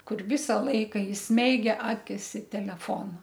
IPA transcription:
ˈkʊr ˈʋʲɪsɐ ˈlˠɐɪkɐ ɪsʲˈmʲɛɪɡʲɛ ˈɑːkʲɪs ɪ tʲɛlʲɛˈfoːnɐ

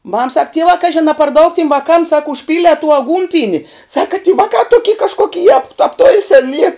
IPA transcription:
mɐm sɐk ˈtʲiɛʋɑː ˈkɑːʒʲɪn ɐ pɐr dɐʊk tʲɪm ʋɐˈkɐm sɐk ʊʃʲˈpʲiːlʲiɛ tuː ɐˈɡuːnʲpʲiɛnʲɪ ˈsɑːkɐ tʲiː ˈʋɑːkɑː ˈtʊkʲiː kɐʃˈkoːkʲɪ jɛp ɐpˈtʊɪsʲɛn iːr

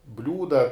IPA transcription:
ˈbʲlʲuːdɐ

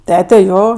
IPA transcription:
ˈtʲæːtʲɛ ˈjoː

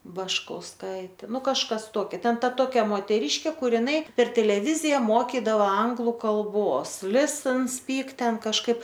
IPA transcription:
bɐʃkɐʊsˈkɐɪtʲeː ˈnʊ kɐʃˈkɐs ˈtoːkʲɛ ˈtʲɛn ˈtɐ ˈtoːkʲɛ moːtʲɛˈrʲiːʃʲkʲeː ˈkʊr ɪˈnɐɪ pʲɛr tʲɛlʲɛˈʋʲɪzʲɪjɛ ˈmoːkʲɪdɐʋoː ˈɐŋɡlˠʊ kɐlˠˈboːs lʲɪsn sʲpʲiːk ˈtʲɛn kɐʃˈkɐɪp

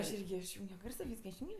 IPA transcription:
ɐʃ ˈɪrʲɡʲɪ ɪʃʲˈjuːŋʲɡʲoː ˈɡɐrsoː ˈʋʲiːskɐ ɪʃʲˈjuːŋʲɡʲoː

